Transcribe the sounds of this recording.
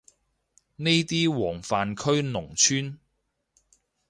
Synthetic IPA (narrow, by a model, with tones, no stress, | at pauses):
ne˥jt̪iː˥wɔː˨˩ŋfaː˨nkʰɵ˥ɥnʊ˨˩ŋt͡ʃʰyː˥n